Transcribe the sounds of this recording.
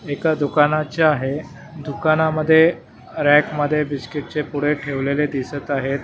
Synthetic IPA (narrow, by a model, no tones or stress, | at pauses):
ekad̪ukanat͡ɕaaɦe | d̪ukanaməd̪ʱːje | ɾækməd̪ʱːjebiskiʈ̚t͡ɕepuɽ̤eʈʰeʋleled̪isət̪aɦet̪